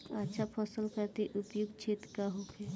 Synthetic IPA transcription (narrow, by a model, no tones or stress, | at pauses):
ətːʃʰapʰɔsəlkəɾt̪iʔupjuɡt͡ʃʰeːt̪kaɦokʰɛ